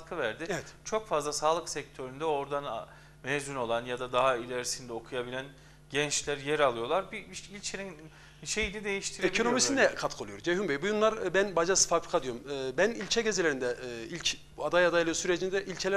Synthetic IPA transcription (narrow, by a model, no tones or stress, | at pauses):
t̪kʰɯvæɾd̪ɪevɛt̪t͡ʃʰo̞kfazlˠasaːlˠɯksɛc̚t̪ʰøɾynd̪ɛo̞ɾd̪an | mɛzyno̞lˠanjad̪ad̪aɦailʲæɾisind̪ɛo̞kʰujabilʲæn | ɟɛnt͡ʃlʲæɾjɛɾalˠɯjo̞lˠaɾbiilʲt͡ʃʰenin | iʃejinid̪e̞jiʃt̪ʰiɾekio̞no̞misind̪ɛkʰat̪kʰɯolˠujoɾd͡ʒeɦumbejbujunlˠaɾbænbad͡ʒasɯ̥fabɾikʰad̪ijoumɯːbænilʲcʰɛɟe̞zelʲeɾind̪ɛilʲc | ad̪ajad̪ajlˠɯjosyɾed͡ʒind̪ɛʔilʲcʰelʲæ